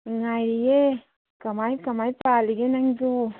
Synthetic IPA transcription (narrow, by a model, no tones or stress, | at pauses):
ŋajɾije | kɐmajkɐmajpaːliɡenɐŋd͡ʒu